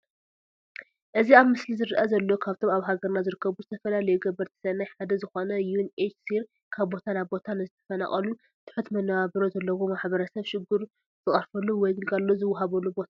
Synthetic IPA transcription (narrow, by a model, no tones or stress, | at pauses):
ʔɨziaβmɨslizɨɾɨʔɐzɐlːokʰaβt̪ʰo̞maβɦaɡɐɾnazɨɾɨkːɐβuzɨt̪ʰɐfɐlalɐjɛɡɐbɐɾt̪ʰi̥sɐnajħad̪ɐzɨxo̞nɐjunet͡ʃsiɾ | kʰaβbo̞t̪ʰanaβbo̞t̪ʰanɨzɨt̪ʰɐ̥fɐna̰χʼɐlu | t̪ʰɨ̥ħut̪mɐnːɐβaβɐɾozɐlːɐwomaħβɐɾɐsɐβʃɪɡːuɾ | z̥ɨχʼɐɾfɐlːuwɔjɡɨlkʰʼalːozɨwːɦaβɐlːubo̞t̪ʰa